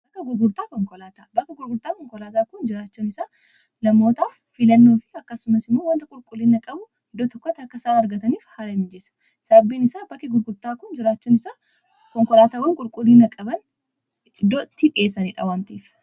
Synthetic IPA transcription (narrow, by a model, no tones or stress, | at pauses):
bɐkːɐɡʊɾɡʊɾt̪aːkɔŋkɔlaːt̪aːbɐkːɐɡʊɾɡʊɾt̪aːkɔŋkɔlaːt̪aːkʊnd͡ʒɪɾaːt͡ʃːuːnɪsaː | nɐmo̞ːt̪aːfːɪlɐnːoːfɪɐkːɐsʊmɐsɪmːoːwɐnt̪ɐkʼʊɾkʼʊliːnɐkʼɐbʊ | ɪd̪ːɔt̪ɔkːɐt̪ːɐkːɐsaːnɐɾɡɐt̪ɐniːfhaːlɐmɪd͡ʒɛsɐ̥ | sɐbːiːnɪsaːbɐkːɪɡʊɾɡʊɾt̪aːkʊnd͡ʒɪɾaːt͡ʃːuːnɪsaː | kɔŋkɔlaːt̪aːwɐŋkʼʊɾkʼʊliːnɐkʼɐbɐn | d̪ɔt̪ːɪᶑʼe̞ːsɐniːᶑɐ̰waːnt̪iːf